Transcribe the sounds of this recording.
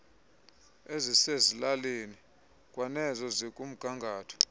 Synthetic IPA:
ezisezilaleni | kʼwanɛzɔzikʼum̩ɡ̥ʱaŋɡʱaːtʰɔ̥

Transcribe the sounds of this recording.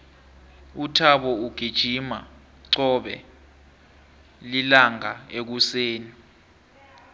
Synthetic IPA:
utʰaɓɔuɡ̥ʱid̥ʒ̥ʱima | ǀɔɓɛ̰ | lilaŋaek̬useːni

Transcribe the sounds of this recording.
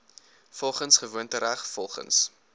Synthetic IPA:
fɔlˠχənsχəvuəntəɾæχfɔlˠχə̰ns

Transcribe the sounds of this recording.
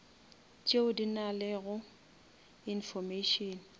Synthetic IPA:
t͡ʃʼeʊdinalɪɣʊ | infɔmeʃɔn

